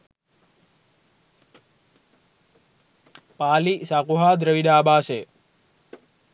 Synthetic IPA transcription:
paːlisaːkuɦaːd̪ɾəʋiɗaːbaːse

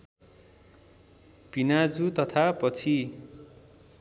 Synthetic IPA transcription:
pinad͡zut̪ʌt̪ʰapʌt͡sʰi

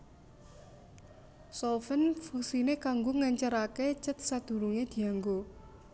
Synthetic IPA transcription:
sɔlfənfusinekaŋɡoŋaɲt͡ʃəɾaket͡ʃət̪̚sad̪̥ṳɾuŋed̪̥i̤aŋɡo

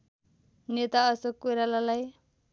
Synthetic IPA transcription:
net̪aʌsʌkuɾalalaj

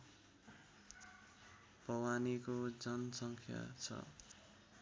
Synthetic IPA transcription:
bʌwanikod͡zʌnsʌŋkʰja̰t͡sʰʌ̰

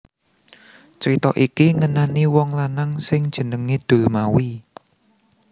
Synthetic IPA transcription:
t͡ʃɾit̪ɔ̰ʔikiŋənaniwɔŋlanaŋsɪŋd̥ʒ̥ə̤nəŋed̪̥o̤mawi

